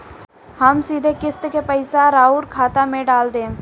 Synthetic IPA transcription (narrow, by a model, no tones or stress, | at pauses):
həmsiːd̪ʱekɪst̪kepəɪsaɾaːʊɾkʰaːt̪amẽɖaːld̪ẽ